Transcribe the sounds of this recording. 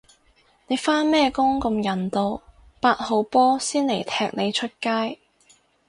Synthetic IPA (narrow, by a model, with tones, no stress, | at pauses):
ne˨˧jfaː˥nmɛː˥kʊ˥ŋkɐ˧mjɐ˨˩nt̪o˧w | paː˧t̚ho˨˧wpɔː˥siː˥nle˨˩jt̪ʰɛː˧k̚ne˨˧jt͡ʃʰɵ˥t̚kaː˥j